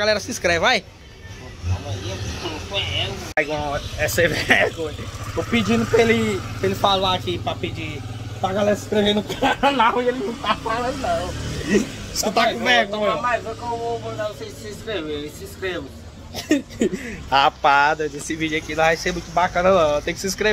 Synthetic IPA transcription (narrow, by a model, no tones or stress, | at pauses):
aɡalɛɾɐsĩskɾɛvaj | amɐɲiɐt̪ufoɛvɛɡõɲɐɛsevvɛhɡõɲɐopid͡ʒĩnʊpɾelɪpɾelɪfalaakipɾɐpid͡ʒi | pɾaɡalɛɾɐsi̥skɾevẽnd̪kanawielɪnɐ̃w̃t̪afalɐ̃d̪ʊnɐ̃w̃ | sũt̪akũvɛhɡ̪õɲɐmajvõkõvovõɐ̃sejssĩskɾevewesĩskɾevʊ | apad̪ɐd̪esɪvid͡ʒʊakinɐ̃vajsemũj̃t̪ʊbakɐ̃nɐnɐ̃w̃t̪ẽjkɪsĩskɾe